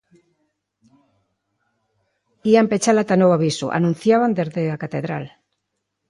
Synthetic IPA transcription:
iampet͡ʃalat̪anowaβisṵʔa̰nũn̟θjaβand̪ezðeakat̪eðɾal

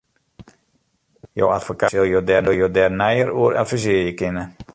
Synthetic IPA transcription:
jo̰watfokasɪlˠjoːdɛdojoːdɛrnɛjəruəɾʔɛ̰lfiziəjəkɪnə

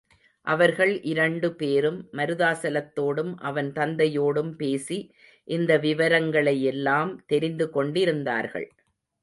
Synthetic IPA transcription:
ʔɐʋɐɾɣɐɭʔɪɾɐɳɖɯpeːɾɯmːɐɾɯðaːsɐlɐt̪ːoːɽɯmʔɐʋɐnt̪ɐnd̪ɐjoːɽɯmpeːsi | ʔɪnd̪ɐʋɪʋɐɾɐŋɡɐɭɐjɛlːaːmt̪ɛɾɪnd̪ɯkɔɳɖɪɾɯnd̪a̰ːɾɣɐ̰ɭ

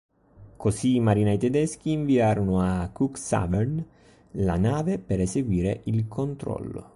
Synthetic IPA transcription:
kosiːmaɾinajt̪ɛd̪ɛsk̟iːɱviaːɾonʊakːuksa̰bɛrn | la̰naːvepeɾeseɡwiːɾeʔilkʰont̪ɾɔ̰lːʊ̰

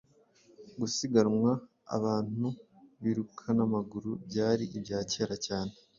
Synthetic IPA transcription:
ɡusiɡaɾmwa | a̰βaːn̥u | βiɾukʰanamaɡuɾubɟaːɾiʔibɟaːceːɾacaːne

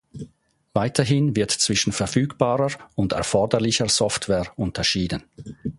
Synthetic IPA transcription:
vaɪtʰɐɦɪnvɪɐtt͡sv̥ɪʃn̩fɛɐfyːkb̥aːʁəʊndɛ̰ɐfɔɐdəlɪçəz̥ɔftv̥ɛːʊntʰɐʃiːdən

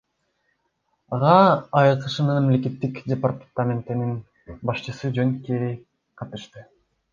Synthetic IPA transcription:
ɑʁɑːjqɯʃɯnɯnmemlek̬e̞t̪ːikdʲepart̪t̪amʲent̪inin | bɑʃt͡ʃɯsɯd͡ʒøŋkeɾi | qʰɑt̪ɯʃt̪ɯ

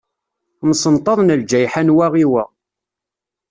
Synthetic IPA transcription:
msənt̪ˤɑðˤnəld͡ʒæjħanwæʁiwæ̰

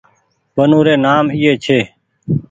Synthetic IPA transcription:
ɓənũːɾeːnaːmɪːeːt͡ʃʰeː

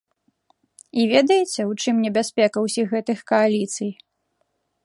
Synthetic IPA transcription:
ivʲɛd̪ɐjɛt͡sʲɛut͡ʂɨmnʲɛbʲasʲpʲɛkɐwsʲixɣɛt̪ɨxkɐalʲit̪sɨj

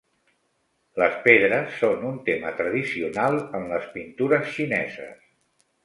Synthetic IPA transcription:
ləspeðɾəsːonunt̪emət̪ɾəðisiunalˠəmləspint̪uɾəsʃinɛ̰zə̰s

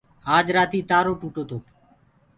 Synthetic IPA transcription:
aːd͡ʒɾaːt̪iːt̪aːɾoːʈuːʈoːt̪oː

